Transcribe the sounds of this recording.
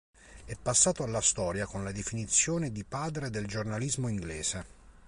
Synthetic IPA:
ɛpːasːaːt̪oalːast̪ɔːɾjakonlad̪efinit̪sːjoːned̪ipaːd̪ɾed̪eld͡ʒornalizmoiŋɡleːz̥e

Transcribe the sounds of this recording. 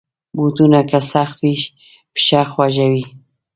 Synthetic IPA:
but̪unakasaxt̪wiʃ | pʃaxwaʒawi

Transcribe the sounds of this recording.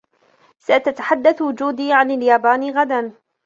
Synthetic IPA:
sat̪at̪ḁħad̪ːaθwʊd͡ʒuːd̪iːʕanaljaːbaːnɣad̪an

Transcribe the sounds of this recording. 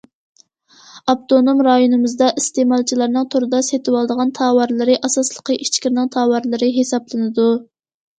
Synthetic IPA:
ɑp̚t̪onomɾɑjonɨmɨzd̪ɑʔist̪emɑlˠt͡ʃʰilˠɑɾnɨŋt̪ʰoɾɨd̪ɑset̪ɨwɑlˠd̪əʁɑnt̪ʰɑːwɑɾlˠɨɾɨʔɑsɑslˠəqʰəʔit͡ʃkʲɪɾnɨŋt̪ʰɑːwɑɾlˠɨɾɨɦesɑblˠɨnɨd̪u

